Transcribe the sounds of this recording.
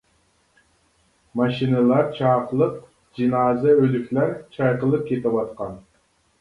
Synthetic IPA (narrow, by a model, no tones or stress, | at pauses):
mɑʃinɨlˠɑɾt͡ʃʰɑːqlˠɨq̚ | d͡ʒinɑːzɨølykʲʰlæɾt͡ʃʰɑjqəlˠɨp̚kʲʰet̪ʰɪwɑt̪qɑn